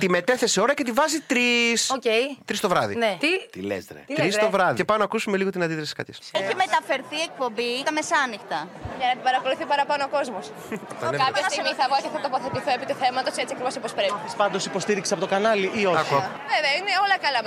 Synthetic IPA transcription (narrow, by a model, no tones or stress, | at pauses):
t̪ime̞t̪e̞θe̞seo̞ɾɐce̞t̪ivɐzit̪ɾisocejt̪ɾist̪o̞vɾɐðḭnet̪it̪ilḛst̪ɾḛt̪ɾist̪ovɾɐðicepɐmnɐkusumeliɣo̞t̪inɐnd̪iðɾɐsi̥kɐ̰t̪ʰeseçime̞t̪ɐfe̞ɾθiek̚po̞mbiɐmesɐnixt̪ɐʝɐnɐpɐɾɐko̞luθipɐɾɐpɐnooko̞zmos | t̪ɐ̰nekɐpçɐst̪iɣmiθɐvɣɐceθɐt̪opoθet̪iθoepit̪uθemɐt̪o̞set͡siɐkɾivosopospɾepiispɐnd̪o̞sipo̞st̪iɾikseɐpo̞t̪okɐnɐliʔioɐkuɐ | veveɐineolɐkɐlɐ